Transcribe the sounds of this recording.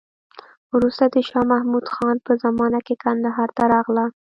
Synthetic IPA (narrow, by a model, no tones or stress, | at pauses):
wɾust̪ad̪əʃɑmahmud̪xɑnpəzamɑnakekand̪aɦɑɾt̪aɾɑɣla